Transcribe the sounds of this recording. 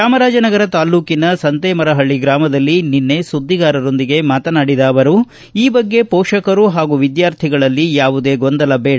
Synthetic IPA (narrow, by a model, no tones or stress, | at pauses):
ʃaːmɐɾaːd͡ʒɐnɐɡɐɾɐt̪aːluːkinɐsɐnt̪eːmɐɾɐɦɐɭːiɡɾaːmɐd̪ɐlːininːe̞sud̪ːiɡaːɾɐɾo̞nd̪iɡe̞maːt̪ɐnaːɽid̪aːʋɐɾu | iːbɐɡːe̞pɔːʂɐkɐɾuɦaːɡuʋid̪jaːɾt̪ʰiɡɐɭɐlːijaːʋud̪e̞ːɡond̪ɐlɐbeːɽ